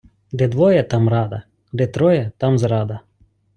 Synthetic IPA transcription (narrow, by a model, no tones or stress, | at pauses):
d̪ɛd̪ʋɔjɛt̪amɾad̪ɐ | d̪ɛt̪ɾɔjɛt̪amzɾad̪ɐ